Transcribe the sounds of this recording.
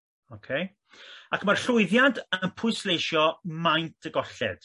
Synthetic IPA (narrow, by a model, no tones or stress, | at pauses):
okʰej | akʰəmarɬʊɨðjadənpʰʊɨslejʃjɔmajntʰəɡɔɬɛ̰d̥